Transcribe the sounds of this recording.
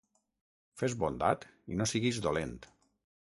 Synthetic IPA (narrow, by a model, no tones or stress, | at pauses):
fezβond̪a̰t̪inosiɣizd̪olent̪